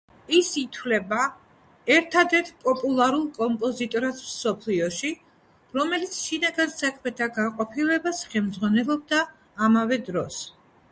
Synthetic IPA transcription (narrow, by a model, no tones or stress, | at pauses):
isit̪ʰwlɛba | ɛɾt̪ʰad̪ɛɾt̪ʰpʼɔpʼulˠaɾulˠkʼɔmpʼɔzit̪ʼɔɾasmsɔpʰliɔʃi | ɾɔmɛlit̪sʰʃinaɡansakʰmɛt̪ʰaɡaqʼɔpʰilɛbasχɛlmd̪zʁwanɛlˠɔb̚d̪aː | mavɛd̪ɾɔs